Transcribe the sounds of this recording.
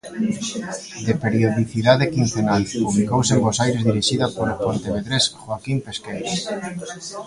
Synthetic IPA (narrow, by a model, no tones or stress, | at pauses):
d̪epeɾjoðiθiðaðekin̟θenalpuβlikowsembosajɾezðiɾiʃiðapoɾapont̪eβeðɾesxwakimpeskejɾo